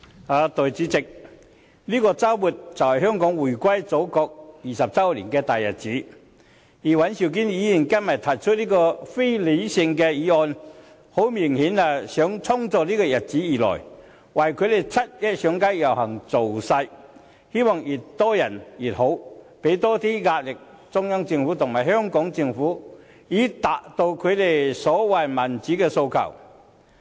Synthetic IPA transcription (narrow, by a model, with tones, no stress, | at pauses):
haː˨˧t̪ɔ˨jt͡siː˨˥t͡sɪ˨k̚ | liː˥kɔː˧t͡saː˥wwuː˨˩t̚t͡sɐ˨whɐ˨jhœː˥ŋkɔː˨˥ŋwuː˨˩jkʷa˥jt͡so˨˥wkɔː˧k̚jiː˨˩sɐ˨p̚t͡sɐ˥wlḭː˨˩nkɛː˧t̪aː˨jɐ˨t̚t͡siː˨˥ | jiː˨˩wɐ˨˥nsi˨˩wk̬iː˥njiː˨˥jiː˨˩nkɐ˥nmɐ˨t̚t̪ʰɐ˨˩jt͡ʃʰɵ˥t̚liː˥kɔː˧fe˥jle˨˧jsɪ˧ŋkɛː˧jiː˨˥ɔː˨˧n | ho˨˥wmiː˨˩ŋhiː˨˥naː˨˧sœː˨˥ŋt͡sʰʊ˥ŋt͡sɔː˧k̚liː˥kɔː˧jɐ˨t̚t͡si˨˥jiː˨lɔ̰ː˨˩j | wɐ˨˩jkʰɵ˨˧d̪e˨˩jt͡sʰɐ˥t̚jɐ˥t̚sœː˨˧˥ŋka˥jjɐ˨˩whɐ˨˩ŋt͡so˨wsɐ˧j | he˥wɔː˨ŋji˨˩t̚t̪ɔː˥jɐ˨˩njiː˨˩t̚ho˨˥wpe˨˥jt̪ɔː˥t̪iː˥ŋaː˧t̚lɪ˨k̚ | t͡sʊ˥ŋjɐ˥ŋt͡sɪ˧ŋfuː˨˥t̪ʰʊ˨˩ŋmaː˨˩jhœː˥ŋkɔː˨˥ŋt͡sɪ˧ŋfuː˨˥ | jiː˨˥t̪aː˨k̚t̪o˧wkʰɵ˨˧d̪e˨˩jsɔː˨˥wɐ˨˩jmɐ˨˩nt͡siː˨˥kɛː˧so˧wkʰɐ̰˨˩w